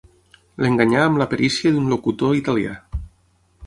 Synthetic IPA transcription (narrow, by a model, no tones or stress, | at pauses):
leŋɡaɲaːmlapeɾʔisjaðunlokut̪oit̪alia̰